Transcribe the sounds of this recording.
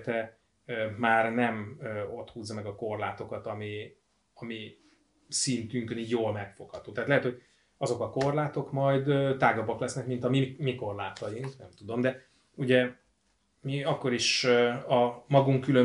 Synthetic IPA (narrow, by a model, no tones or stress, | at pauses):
t̪ɛ | maːrnɛmøo̞t̪huːzːɒmɛɡɒko̞rlaːt̪o̞kɒt̪ɒmi | ɒmi | sint̪yŋkøniːɟjoːlmɛkfo̞kɒt̪oːt̪ɛɦːt̪lɛɦɛt̪ho̞ɟ | ɒzo̞kɒko̞rlaːt̪o̞kmɒjd̪t̪aːɡɒbːɒklɛsnɛkmint̪ɒmimiko̞rlaːt̪ɒjiŋknɛmt̪ud̪o̞md̪ɛ | uɟɛ | miɒkːo̞ɾiʃɒmɒɡuŋkːylø